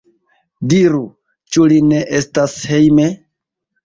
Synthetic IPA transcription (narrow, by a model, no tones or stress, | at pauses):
diɾu | t͡ʃuline̞ʔestashejme